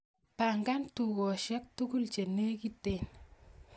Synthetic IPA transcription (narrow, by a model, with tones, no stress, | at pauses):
pa˨ŋɡa˦ntu˨kɔ˨ʃɛ˦k̚tu˦ku˦lt͡ʃe˨ne˦ki˦te˨n